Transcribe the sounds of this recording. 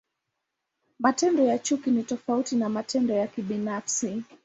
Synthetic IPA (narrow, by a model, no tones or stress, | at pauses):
matɛndɔjat͡ʃukinitɔfautinamatɛndɔjakiɓinafsi